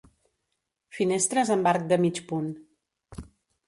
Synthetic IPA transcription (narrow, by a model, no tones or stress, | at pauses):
finest̪ɾəzəmbaɾk̚d̪əmit͡ʃpun